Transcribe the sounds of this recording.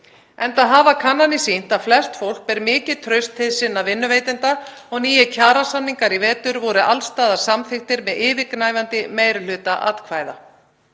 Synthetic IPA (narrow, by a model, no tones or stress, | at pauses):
ɛnt̪aðɦaːvakʰanːanisin̥t̪aðflɛst̪fowl̥k̚pɛɾmɪːcɪðt̪ʰɾœɥst̪hɪðsɪnːavɪnːʏveːjt̪ɪnt̪aɔɣniːjɪcʰaːɾasanːiŋkaɾivɛːt̪ʏɾvɔɾʏʔalst̪aːðḁsamθɪxt̪ɪɾmɛðɪːvɪknaːjvant̪ɪmeːjɾl̥ʏːt̪aʔa̰ːt̪kʰvaːjða̰